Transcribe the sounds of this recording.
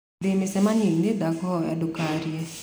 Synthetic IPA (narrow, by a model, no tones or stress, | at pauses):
dɪmɪsɛmanenedakɔja̰dʊkaɾjɛ